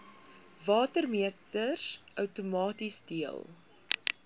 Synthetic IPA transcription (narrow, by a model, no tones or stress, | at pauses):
vɑːtərmiətərsʔœwtumɑːtisdiəlˠ